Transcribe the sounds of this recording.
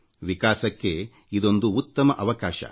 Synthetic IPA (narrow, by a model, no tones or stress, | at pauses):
ʋikaːsɐkːe̞ | id̪o̞nd̪uːt̪ːɐmɐʔɐʋɐkaːʃɐ̰